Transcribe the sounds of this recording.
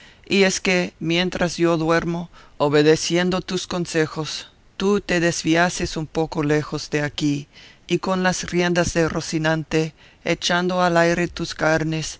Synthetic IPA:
ieskemje̞nt̪ɾʔazjoðwe̞ɾmooβeðesje̞nd̪ot̪uskonsexos | t̪ut̪eðezβiasesumpokolexozðeakiikonlasrjend̪azðerosinãnt̪e | et͡ʃand̪oalajɾet̪uskaɾnes

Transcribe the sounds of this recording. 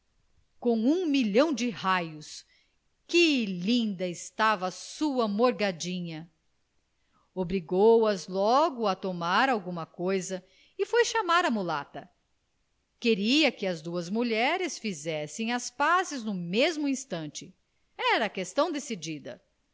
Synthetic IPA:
kõw̃ũmiʎɐ̃w̃d͡ʒɪhajʊs | kɪlĩnd̪ɐɪst̪avɐːsuɐmoɾɡad͡ʒĩɲɐ | obɾiɡowɐzlɔɡʊɐt̪omaɾawɡũmɐkojzɐ | ɪfojʃamaɾɐmula̰t̪ɐ | keɾiɐkɪɐzd̪uɐzmuʎɛɾɪsfizɛsẽj̃ɐspazɪznʊmezmʊĩst̪ɐ̃nt͡ʃɪ | ɛɾɐːkest̪ɐ̃w̃d̪esid͡ʒid̪ɐ̰

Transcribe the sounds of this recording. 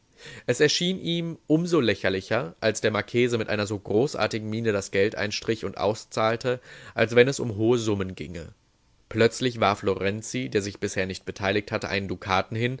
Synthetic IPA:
ʔɛsɛɐʃiːnʔiːmʔʊmzoːlɛçɐlɪçɐʔalsd̥eːɐmaɐkʰeːzəmɪtʔaɪnɐzoːɡʁoːsʔa̰ɐtɪɡŋ̩miːnədasɡ̥ɛltʔa̰ɪnʃtʁ̥ɪçʊntʔa̰ʊst͡saːltʰəʔalsv̥ɛnɛsʊ̰mɦoːəzʊmənɡɪ̰ŋə̰ | plœt͡slɪçv̥aːɐfloʁɛnt͡sideːɐzɪçb̥ɪsheːɐnɪçt̚b̥ətʰaɪlɪç̚thatəʔa̰ɪnəndukʰaːtn̩hɪn

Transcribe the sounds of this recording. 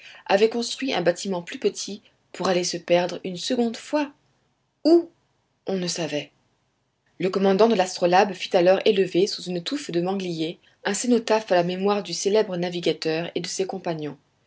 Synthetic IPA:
a̰vɛkɔ̃st̪χɥiʔɛ̰̃bat̪imɑ̃plypət̪ʰi | puʁalesəpɛʁd̪ʁynsəɡɔ̃d̪fwa | u | ɔ̃nəsavɛ | ləkɔmɑ̃d̪ɑ̃d̪əlast̪χɔlabfy̥t̪alɔʁeləvesuzynt̪ufd̪əmɑ̃ɡlije | ɛ̃senot̪afalamemwaʁd̪yselɛbʁənaviɡʲat̪œʁed̪əsekɔ̃paɲjɔ̃

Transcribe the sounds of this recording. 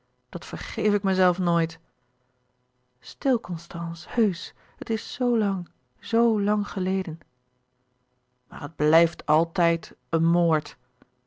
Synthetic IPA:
d̥ɑtfəɹχejfɪkmɛjzɛlˠfnojt | stɪlˠkɔnstɑnshøɥs | ɦətɪsːowlɑŋ | zowlɑŋχəlejdən | ma̰ːɹəd̚blɛjftʰɑlˠtɛjtənmoːɹt

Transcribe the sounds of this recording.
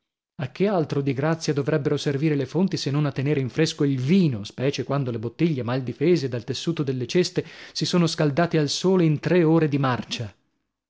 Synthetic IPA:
ak̟ːealt̪ɾod̪iɡɾat̪sːjad̪ovɾɛbːeɾoserviːɾelefont̪isenːonat̪ːeneːɾeiɱfɾeskoilviːnospɛːt͡ʃekwand̪olebot̪ːiʎːemald̪ifeːzed̪alt̪esːuːt̪od̪elːet͡ʃest̪esisoːnoskald̪aːt̪ialsoːleint̪ɾeoːɾed̪imart͡ʃa

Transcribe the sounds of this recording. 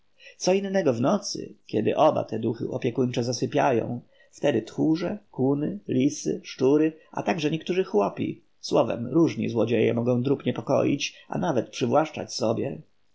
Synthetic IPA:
t̪sɔinːɛɡɔvnɔt̪sɘ̰kʲɛd̪ɘ̰ʔɔba̰t̪ɛd̪uxɘ̰ɔpʲjɛkunt͡ʂɛzasɘpʲjajɔ̰̃w̃ | ft̪ɛd̪ɘt̪xuʐɛkunɘlʲisɘ̰ʂt͡ʂuɾɘʔa̰t̪aɡʐɛɲɛkt̪uʐɘxwɔpʲḭ | swɔvɛ̰mɾuʐɲḭzwɔd͡ʑejɛ̰mɔɡɔ̃w̃d̪ɾupɲɛpɔkɔ̰jḭt͡ɕa̰navɛt̪pʂɘvwaʂt͡ʂa̰t͡ɕsɔbʲjɛ

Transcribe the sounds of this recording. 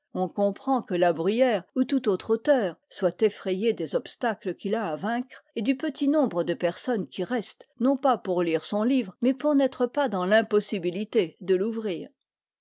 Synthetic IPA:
ɔ̃kɔ̃pχɑ̃kəlabʁyjɛːʁut̪ut̪ot̪χot̪œːʁswat̪efχɛjed̪ezɔpst̪akləkʲilaːvɛ̃kχed̪ypət̪inɔ̃bʁəd̪əpɛʁsɔnkʲiʁɛst̪nɔ̃papuʁliʁsɔ̃livʁmɛpuʁnɛt̪χəpad̪ɑ̃lɛ̃pɔsibilit̪ed̪əluvʁiːʁ

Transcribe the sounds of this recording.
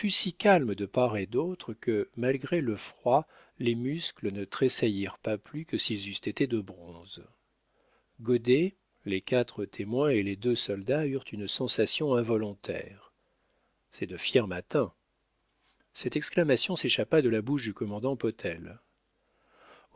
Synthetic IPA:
fysikʲalməd̪əpaʁed̪ot̪χəkʰəmalɡʁeləfχwa | lemysklənət̪χesajiʁpaplykəsilzyst̪et̪ed̪əbʁɔ̃z | ɡɔd̪e | lekat̪χət̪ʰemwɛ̃eled̪øsɔld̪ayʁt̪ʰynsɑ̃sasjɔ̃ɛ̃vɔlɔ̃t̪ʰɛ̰ːʁ | sɛd̪əfjɛʁmat̪ɛ̃ | sɛt̪ɛksklamasjɔ̃seʃapad̪əlabuʃd̪ykɔmɑ̃d̪ɑ̃pɔt̪ʰɛl

